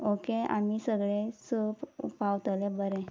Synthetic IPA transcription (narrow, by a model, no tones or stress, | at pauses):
okea̰misəɡɭesəpupaʋt̪lebəɾe